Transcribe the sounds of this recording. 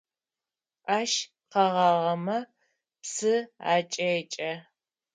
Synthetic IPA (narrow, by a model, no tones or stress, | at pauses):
aːʃ | qɐʁɑːʁɐmɐ | psɨa̰ːt͡ʃʼɐɛt͡ʃʼɐ